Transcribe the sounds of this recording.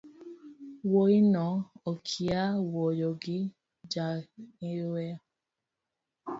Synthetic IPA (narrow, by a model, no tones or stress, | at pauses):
woinɔokʰiawɔjɔɡɪ | d͡ʒaiwɛ